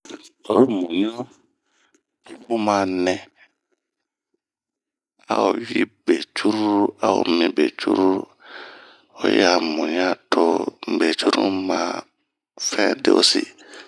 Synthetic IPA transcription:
o˨ɾo˦˨mũ˨ɲ˦ɔ̃˦ | u˦mã˨˦nɛ̃˨ | a̰˨o˨ɥi˦be˨t͡ʃu˦ɾu˦a˨o̰˨mĩ˨be˨t͡ʃʰu˦ɾu˦ | o̰˨jɛ̰˦a˨mũ˨ɲ˦ã˦tʰo˦m̩˨be˨t͡ʃu˦ɾṵ˦mã˨ | fɛ̃˦dḛ˦ʔo̰˦si˦

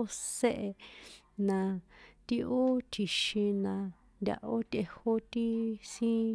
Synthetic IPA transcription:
se˦ʔe˧ | nã˧t̪i˧ʔo˦t̪ʰi˧ʃĩ˧nã˧ | nd̪ʲa̰˧ʔo˦t̪ʲe˧ho˦t̪i˦sĩ˦

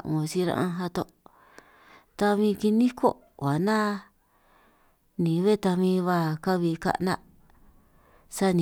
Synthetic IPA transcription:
õ˨˧si˦ɾã̰˧ʔã˧ɦa˧t̪o˧ | t̪a˧mĩ˧ki˧nĩ˦kʰo̰˦ | wa˨nã˦ | nĩ˨˦βe˦t̪a˧mĩ˧βa˧˨ka˦βi˧ka̰˧ʔnã˦ʔ | sa˦nĩ˨

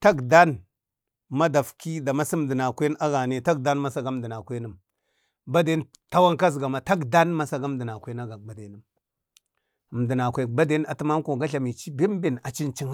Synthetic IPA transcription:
ta˦ɡda˦n | ma˦da˨fki˦da˨ma˦si˦m˨di˨na˨kʷe˦a˦ɡa˨ne˦˨ta˦ɡda˦nma˦sa˦ɡa˦m˨di˨na˨kʷe˦nə˨m | ba˦de˦n | ta˦wa˦ŋka˦z̬ɡa˨ma˨ta˦ɡda˦nma˨sa˨ɡa˦m˦di˨na˨kʷe˦na˦ɡa˨ba˨de˨˦nə˦m˨ | m˨di˨na˨kʷe˨ba˦de˦a˨ti˦ma˦ŋ˦ko˨ɡa˦ɬa˨mi˨t͡ʃi˦bi˦m˦bi˨na̰˨t͡ʃi˦nt͡ʃi˦ŋ˦

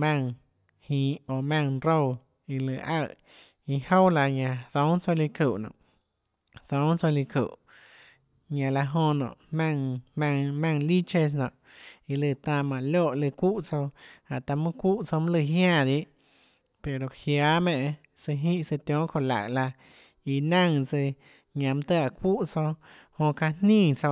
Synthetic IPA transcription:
mã˦˧ŋ | hĩː˨o˨mã˧ŋɾo˦˧w | i˧lɨ˧˨ʔa˧˨ | i˧ho˦wla˧ɲã˧d̪õ˨˦ŋt͡so˧li˧ku˨ʔnɔ̰̃˨ʔ | d̪õ˨˦ŋt͡so˧li˧kṵ˨ʔ | ɲã˨la˧ɦõ˧nɔ̰̃˨ʔmã˧ŋmã˧ŋmã˧ŋli˦t͡ʃe˧s̬nɔ̰̃˨ | i˧lɨ˧˨t̪ã˧˨mã˨loː˦˨ʔlɨ˧kʷu˦ʔt͡so˧ha˨ʔt̪a˧mɨ̃˦kʷu˦ʔt͡so˧mũ˦lɨ˧ɦjã˦˧˨d̪i˦ʔ | pe˨ɾo˨hjaː˨˧˦mẽ˧ʔ | sɨ˧ɦĩ˦ʔsɨ˧t̪jõ˦kʰo˧la̰˨ʔla˧ | i˧nã˦˧ŋt͡sɨ˧ | ɲã˧˨m̃˦t̪ɨ˦a˧˨kʷu˦ʔt͡so˧ | hõ˧ka˧nnĩː˦˧˨t͡so˧

